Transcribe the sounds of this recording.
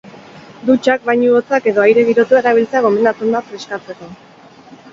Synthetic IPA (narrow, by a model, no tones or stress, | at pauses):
d̪ut͡ʃak̚bajɲuot͡sake̞ðo̞ajɾe̞ɣiɾo̞t̪uaɾaβ̞ilt͡seaɣ̞o̞mind̪at͡s̪und̪afɾeskat͡se̞ko̞